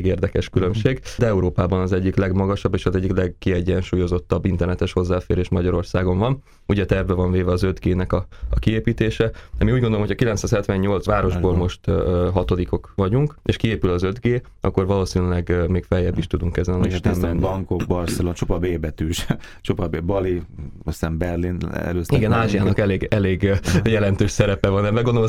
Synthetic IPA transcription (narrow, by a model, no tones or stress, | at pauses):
ɡeːrd̪ɛkɛʃkylømʃeːɡd̪ɛɛuɾoːpaːbɒnɒzɛɟːiklɛɡmɒɡɒʃɒbːeːʃɒzɛɟːiklɛɡkiɛɟːɛnʃuːjo̞zo̞t̪ːɒbːint̪ɛrnɛt̪ɛʃho̞zːaːfeːɾeːʃmɒɟɒɾo̞rsaːɡo̞ɱvɒn | uɟɛt̪ɛɛvbːɛvɒɱveːvɛɒzød̪ɡeːnɛkɒɒkieːpiːt̪eːʃɛd̪ɛmiuɟɡo̞nd̪oomocʰɒkilɛnt̪saːshɛt̪ʋɛɲːo̞lt̪sʋaːɾo̞ʒboːlmo̞ʃt̪ɦɒt̪o̞d̪iko̞kʋɒɟuŋkḛːʃkieːpylɒzø̞d̪ɡeːʔɒ̰kːo̞rvɒloːsinylɛɡmeːkfɛjɛbːiʃt̪ud̪uŋkɛzɛnniʃt̪mːɛnːbɒŋkokbɒrsɛlont͡ʃopɒbeːbɛt̪yːʃ | t͡ʃopɒbebɒliosɛmbɛrlinɛ̰løːsiɡɛnaːʒijaːnɒkɛleːɡɛleːɡjɛlɛnt̪øːʃsɛɾɛpɛvɒnɛbɛɡond̪ol